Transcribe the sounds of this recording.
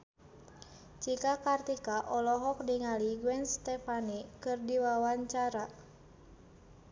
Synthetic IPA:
t͡ʃikakart̪ikaʔɔlɔɦɔk̚diŋaliɡuwɛnst̪ɛfanikɨrdiwawaɲt͡ʃaɾa

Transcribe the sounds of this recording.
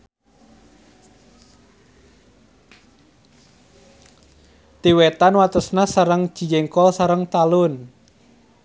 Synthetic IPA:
t̪iwet̪anwat̪əsnasaɾəŋ̥ʒ̥i̤d͡ʒɛŋkɔlsaɾəŋt̪alʊn

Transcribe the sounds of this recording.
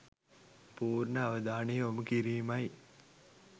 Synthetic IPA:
puːɾnəaʋəd̪aːnejoməkiɾiːmaj

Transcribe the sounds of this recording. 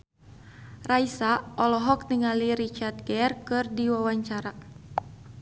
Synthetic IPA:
raisaɔlɔɦɔk̚niŋaliɾit͡ʃart̪̚ɡɛrkɨrdiwawaɲt͡ʃaɾa

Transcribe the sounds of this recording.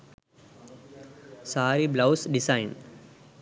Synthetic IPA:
saːɾiblɐwsɖisajn

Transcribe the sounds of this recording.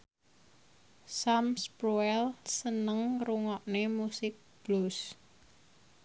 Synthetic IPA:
samspɾuɛlsənəŋruŋɔʔnemusɪk̚b̥lus

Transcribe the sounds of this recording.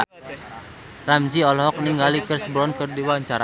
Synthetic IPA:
ramd͡ʒiɔlɔɦɔk̚niŋɡalikərsəbɾɔnkərdiwaɲt͡ʃaɾa

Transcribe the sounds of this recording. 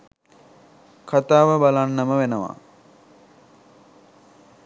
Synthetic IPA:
kʰat̪aːʋəbalanːəməʋenəʋa̰

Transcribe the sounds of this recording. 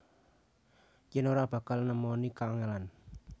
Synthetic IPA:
t͡ʃɪnoɾab̥ä̤kalnəmɔnikaːŋelan

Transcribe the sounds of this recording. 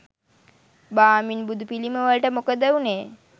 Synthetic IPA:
baːminbud̪upiliməʋəlʈəmokəd̪əuneː

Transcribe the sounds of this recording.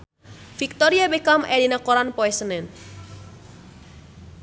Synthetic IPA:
fik̚t̪ɔɾiabekamɛlinakɔɾanpɔɛsənɛn

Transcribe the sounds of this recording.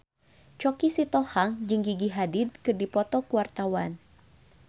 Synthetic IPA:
t͡ʃɔkisit̪ɔhaŋd͡ʒɨŋɡiɡiɦadɪd̪̚kɨrdipɔt̪ɔkuwart̪awan

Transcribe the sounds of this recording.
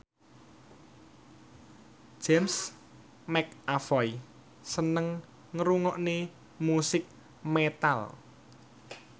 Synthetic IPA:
d͡ʒ̥ɛms | mɛk̚afɔj | sənəŋ | ŋɾuŋɔʔne | musɪk̚ | met̪al

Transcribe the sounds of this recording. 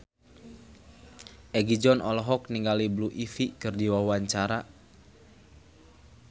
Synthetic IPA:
ʔɛɡid͡ʒɔnɔlɔɦɔk̚niŋɡalibluʔifikɨrdiwawaɲt͡ʃaɾa

